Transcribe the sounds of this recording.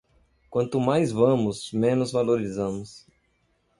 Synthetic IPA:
kwɐ̃nt̪ʊmajzvɐ̃mʊsmẽnʊzvaloɾizɐ̃mʊs

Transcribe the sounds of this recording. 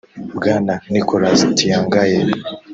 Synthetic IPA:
bɡaːnanikoɾazitijaːŋɡaje

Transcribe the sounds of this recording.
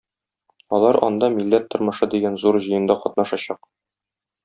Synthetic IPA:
ɒlˠɑɾɒ̰nd̪ɑmilːæt̪ːŏɾmɤ̆ʃɤd̪iɡænzuɾʑɤ̆jɤ̆nd̪ɑqɒt̪nɑʃɑɕɑq

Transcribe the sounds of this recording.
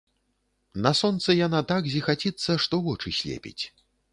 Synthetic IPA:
nɐsɔnt̪sɨjanat̪aɡzʲixat͡sʲit̪sːɐʂt̪ɔvɔt͡ʂɨsʲlʲḛpʲḭt͡sʲ

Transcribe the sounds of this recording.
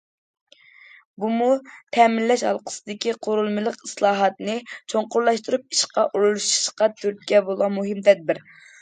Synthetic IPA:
bumut̪ʰɛmɪlːɛʃhɑ̰lˠqʰə̥sɨd̪ɪkʲiqʰoɾulˠmɨlˠəqislˠɑːɦɑt̪nɨt͡ʃʰoŋqʊɾlˠɑʃt̪uɾup̚i̥ʃqɑʔuɾulˠuʃi̥ʃqɑt̪ʰyɾt̪̚ʲkʲɛbolˠɑmuɦɪmt̪ʰɛd̪̚bɪɾ

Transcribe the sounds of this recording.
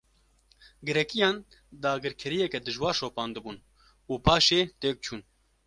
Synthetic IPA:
ɡɨɾɛkijɑːn | d̪ɑːɡɨɾkʰɛɾijɛkɛd̪ɨʒwɑːɾʃoːpɑːnd̪ɨbuːn | uːpʰɑːʃeːt̪eːk̚t͡ʃʰuːn

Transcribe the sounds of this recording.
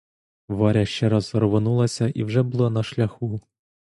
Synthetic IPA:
ʋɑɾʲɐʃt͡ʃɛɾɑzɾɔʋonulˠɐsʲɐʔiwʒɛbʊlˠɔnɐʃlʲɐxu

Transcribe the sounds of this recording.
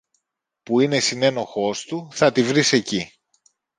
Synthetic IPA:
puine̞sine̞no̞xo̞st̪uθɐt̪ivɾise̞ci

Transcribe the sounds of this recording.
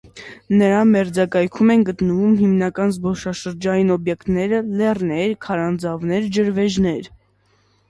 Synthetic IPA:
nəɾɑmɛɾd͡zɑkɑjkʰumɛnɡət̪nəvumɦimnɑkɑnzbɔʃɑʃəɾd͡ʒɑjinɔbjɛkt̪nɛɾəlɛrnɛɾkʰɑɾɑnd͡zɑvnɛɾd͡ʒəɾvɛʒnɛɾ

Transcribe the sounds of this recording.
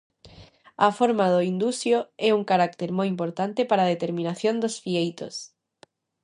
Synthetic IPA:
afoɾmaðoind̪usjoɛuŋkaɾak̚t̪eɾmojimpoɾt̪ant̪epaɾaːð̞et̪eɾmĩnaθjond̪osfiejt̪o̰s

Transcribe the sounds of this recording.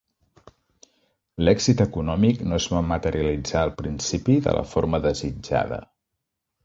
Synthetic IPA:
lɛɡzit̪əkunɔmiknoezβamət̪əɾiəlid͡zaːlˠpɾinsipiðə̰lə̰foɾməðəzid͡ʒa̰ðə̰

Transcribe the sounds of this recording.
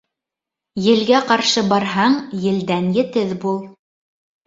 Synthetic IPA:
jɘ̆lɡæqɑɾʃɤbɑɾɦɑɴjɘ̆ld̪ænjɘ̆t̪ɘðbulˠ

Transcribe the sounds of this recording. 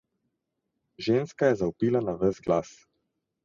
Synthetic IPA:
ʒeːnskajɛzaupiːlanavəzɡlas

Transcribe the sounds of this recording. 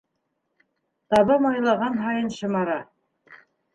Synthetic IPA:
t̪ɑβɑmɑjlˠɑʁɑnɦɑjɤnʃɤ̆mɑɾɑ

